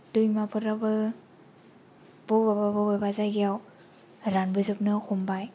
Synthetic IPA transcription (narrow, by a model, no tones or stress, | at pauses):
dujmapʰɯɾabɯ | b̥ɔbababababazajɡijaw | ɾanbɯzɯp̚nɯxʰumbaj